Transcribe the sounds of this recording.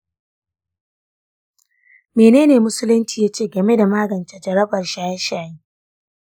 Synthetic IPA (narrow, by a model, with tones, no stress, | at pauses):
meː˨neː˦neː˨mʊ˦sʊ˦lʊ˦nt͡ʃiː˨jaː˦t͡ʃeː˦˨ɡɐ˨me˦da˨maː˦ɡɐ˨nt͡ʃa˦d͡ʒɐ˨ɾɐ˦bɐ˨rʃaː˦ja˦ʃaː˨jiː˦